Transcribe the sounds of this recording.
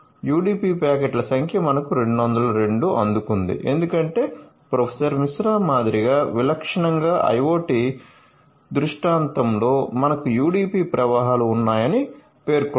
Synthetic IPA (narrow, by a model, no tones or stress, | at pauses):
juːɽiːpiːpaːkeʈlɐsɐŋkʰjɐmɐnɐkuɾe̞ɳɖuʋɐnd̪ɐlɐɾe̞ɳɖuʔɐ̰nd̪ukund̪ḭʔe̞̰nd̪ukɐɳʈe̞ːpɾopʰesɐɾmisɾaːmaːd̪iɾiɡaːʋilɐkʂɐɳɐŋɡaːʔɐ̰jʋoːʈi | d̪ɾuʂʈaːnt̪ɐmlo̞ːmɐnɐkujuːɽiːpiːpɾɐʋaːɦaːluːnːaːjɐni | pe̞ːɾk